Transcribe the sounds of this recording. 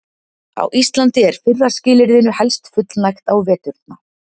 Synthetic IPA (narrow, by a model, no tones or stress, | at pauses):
a̰wʔist̪lant̪ɪɛɾ̥fʏrːḁscɪːlɪɾðɪnʏhɛlst̪fʏt̪lnajxt̪awvɛːt̪ʏɾt̪na